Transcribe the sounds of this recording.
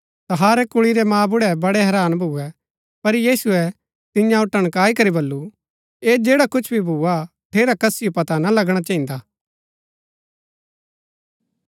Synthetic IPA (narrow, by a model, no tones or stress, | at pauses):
t̪ɐɦaːɾɛkʊɭiɾɛmãːbʊɽɛbɐɽɛɦɛɾaːnbʱuɛ | pɐɾjiːsuɛ | t̪ɪjãʊʈəɽ̃kaːikɐɾibɐlːu | eːd͡ʒeːɽakʊt͡ʃʰbʱibʱua | ʈʰeːɾakɐsɪjopɐt̪anɐlɐɡɽ̃at͡ʃɐ̃ːĩnd̪aː